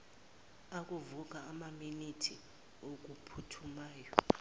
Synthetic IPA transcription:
ak̬ʼuvuk̬aːmaminitʰi | ok̬upʰutʰumaːjɔ

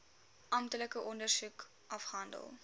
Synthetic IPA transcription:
ʔɐmtələkəʔɔndərsuk | ʔɐfχəɦɐndə̰lˠ

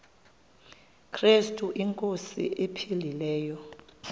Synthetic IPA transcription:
kʰrestʼuʔiŋkʼosḭʔepʰililɛːjɔ

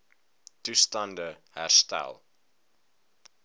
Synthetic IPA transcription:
tustɐndə | hæ̰rstæ̰lˠ

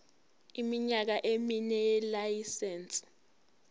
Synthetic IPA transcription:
imiɲak̬aʔeminɛjɛlajisɛːnsʼ

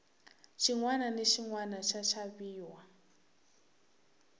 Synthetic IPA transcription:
t͡ʃʰiŋwananeʃʰiŋwanat͡ʃʰat͡ʃʰaβiːwa

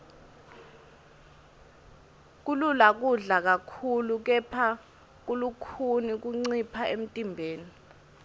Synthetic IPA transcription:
k̬ululak̬uɮak̬akʰuluk̬ɛpʰa | k̬ulukʰunik̬uŋ͡ǀipʰaem̩tʼimbʱeːni

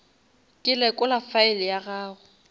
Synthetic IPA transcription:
kʼɪlɛkʼʊlafaɪlɪjaɣaːɣʊ

